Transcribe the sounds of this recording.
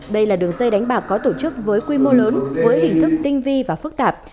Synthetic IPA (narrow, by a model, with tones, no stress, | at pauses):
ɗə˧jlaː˨˩ɗɨ˨˩əŋzə˧jɗa˨˦jŋ̟ɓaː˨˩kːɔ˨˦t̪o˧˩t͡ɕɨ˦˥k̚vəː˨˦jkwi˧mo˧ləː˨˦nvəː˨˦jhï˧˩ŋ̟t̪ʰɨ˦˥k̚t̪ï˧ŋ̟vi˧vaː˨˩fɨ˦˥k̚t̪aː˨˩p̚